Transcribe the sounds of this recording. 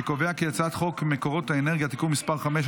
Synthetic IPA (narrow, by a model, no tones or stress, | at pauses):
koveakejat͡sat̪χo̞kmekoʁo̞t̪haeneʁɡjat̪ikumːispaʁχameʃ